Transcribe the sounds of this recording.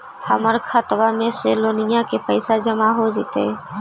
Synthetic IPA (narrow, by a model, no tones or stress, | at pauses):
həməɾkʰət̪ʋamẽseloːnɪjakepəɪsad͡ʒəmaɦod͡ʒɪt̪ḛ